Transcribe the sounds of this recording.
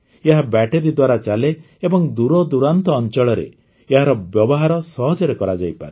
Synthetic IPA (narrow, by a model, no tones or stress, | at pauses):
eɦabɛʈeɾid̪waɾat͡ʃaleː | bɔŋd̪uɾɔd̪uɾant̪ɔːnt͡ʃɔɭɔɾḛ | eɦaɾɔbjɔbɔɦaɾɔsɔɦɔd͡ʒɔɾekɔɾad͡ʒajpa̰ɾe